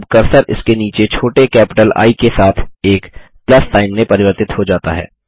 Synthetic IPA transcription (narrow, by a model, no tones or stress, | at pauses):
bkɐɾsəɾʔɪ̰skeniːt͡ʃet͡ʃʰoːʈekɛːpɪʈəla̰ːikesaːt̪ʰeːk | plɐsʈaːɪmnẽpɐɾɪʋəɾt̪ɪt̪ɦod͡ʒaːt̪a̰ɦɛ̰ː